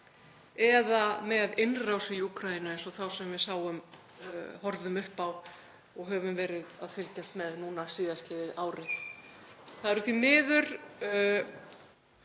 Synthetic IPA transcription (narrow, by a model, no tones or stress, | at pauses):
ɛðamɛðɪnrawsɪjukʰɾaðinaejnsɔθawsɛmvɪðsaːwʏm | hɔɾðʏmʏhpaw | ɔɣɦœːvʏmvɛːɾɪðaðfɪlcast̪mɛðnuːnasiːðast̪lɪðɪðaːwɾɪθ | θaðɛɾʏθvimɪːðʏɾ̥